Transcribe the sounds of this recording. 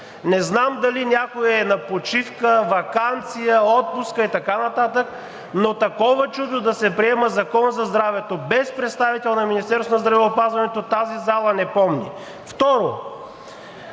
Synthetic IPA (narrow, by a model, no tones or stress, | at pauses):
nɛznamd̪ɐlinʲjakoɛnɐpot͡ʃifkəvɐkant̪sijəɔt̪̚puskəit̪ɐkanɐt̪at̪ək | not̪ɐkɔvət͡ʃud̪od̪ɐsɛpɾiɛməzɐkɔnzɐzd̪ɾavɛt̪obɛspɾɛt̪st̪avit̪ɛlˠnɐminist̪ɛɾsonɐzd̪ɾɐvɛopazvɐnɛt̪ot̪azizalˠɐnɛpɔmnḭ | ft̪ɔɾo